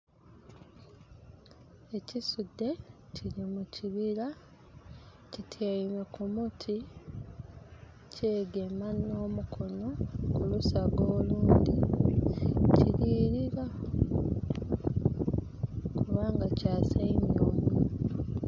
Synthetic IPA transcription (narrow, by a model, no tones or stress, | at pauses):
e̞cisudːe̞ciɾimuciβiɾa | citʰjeimekumutʰi | ce̞ːɡe̞mano̞ːmukʰo̞no̞kulusaɡoːluːndi | ciɾiːɾiɾa | kuβaːŋɡacaːsainjoːmi